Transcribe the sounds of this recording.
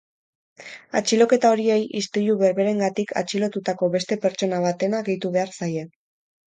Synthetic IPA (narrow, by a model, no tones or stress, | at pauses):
a̰t͡ʃilo̞ke̞t̪ao̞ɾie̞jist̪iʎuβe̞ɾβe̞ɾe̞ŋɡat̪ikʰa̰t͡ʃilo̞t̪ut̪ako̞βe̞st̪e̞pe̞ɾt͡ʃo̞naβ̞at̪e̞naɣe̞jt̪uβe̞aɾsaje̞